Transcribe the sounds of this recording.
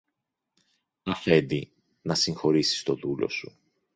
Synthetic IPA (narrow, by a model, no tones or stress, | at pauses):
ɐfe̞nd̪i | nɐsiŋxo̞ɾisi̥st̪o̞ðulo̞̰su